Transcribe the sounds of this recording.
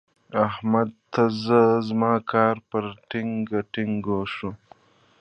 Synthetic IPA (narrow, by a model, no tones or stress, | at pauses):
ahmad̪̚t̪azəzmɑːkʰɑːɾpəɾʈiŋɡaʈɪŋɡoʂu